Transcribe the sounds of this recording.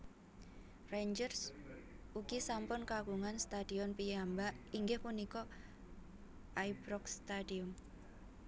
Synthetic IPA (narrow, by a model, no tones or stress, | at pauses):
rend͡ʒərs | uɡ̥isampʊnkakuŋanst̪ad̥iɔnpijambaʔiŋɡɪhpunikɔ | ʔajbɾɔkst̪adiʊm